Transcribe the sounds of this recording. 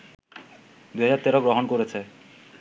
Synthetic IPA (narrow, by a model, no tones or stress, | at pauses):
d̪uɦajat̪ːeɾoɡɾoɦonkoɾet͡ɕʰe